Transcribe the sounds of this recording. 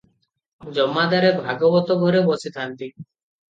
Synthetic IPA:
d͡ʒɔmːad̪aɾebʱaɡɔbɔt̪ɔɡʱɔɾebɔsit̪ʰant̪i

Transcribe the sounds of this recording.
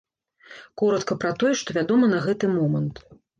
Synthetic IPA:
kɔɾɐt̪kɐpɾɐt̪ɔjɛʂt̪ɔvʲad̪ɔmɐnɐɣɛt̪ɨmɔmɐnt̪

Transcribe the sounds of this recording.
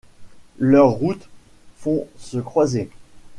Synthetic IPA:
lœʁːut̪ | fɔ̃səkχwaze

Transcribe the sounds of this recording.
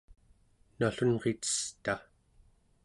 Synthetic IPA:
naɬunʁet̪ə̥st̪a

